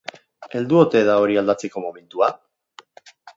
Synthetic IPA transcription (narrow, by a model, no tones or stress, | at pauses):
e̞ld̪uo̞t̪e̞ðao̞ɾiald̪at͡se̞ko̞mo̞me̞nt̪ua